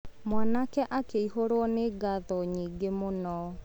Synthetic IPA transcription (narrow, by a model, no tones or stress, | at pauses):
mwanakɛʔakeihoɾwɔneɡaðɔɲiːɡemonɔ